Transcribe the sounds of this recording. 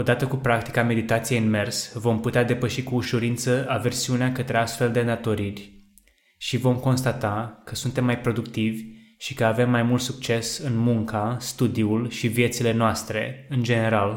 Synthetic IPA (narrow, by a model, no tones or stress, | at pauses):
od̪at̪əkupɾak̚t̪i̥kame̞d̪it̪at̪sijeɨnme̞rsvo̞mput̪ead̪e̞pəʃikuːʃuɾint̪səʔave̞rsiuneakət̪ɾe̞ast̪fe̞ld̪e̞d̪at̪o̞ɾirʲ | ʃivo̞mko̞nst̪at̪akəsunt̪e̞mːajpɾo̞d̪ukt̪ivʲ | ʃikəave̞mːajmult̪suk̚t͡ʃe̞sɨnmuŋkast̪ud̪iulʃivje̞t̪sile̞noast̪ɾe̞̰ɨnd͡ʒe̞ne̞ɾal